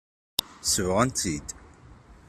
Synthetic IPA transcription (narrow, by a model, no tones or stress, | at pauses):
svʁənt̪ʰid̪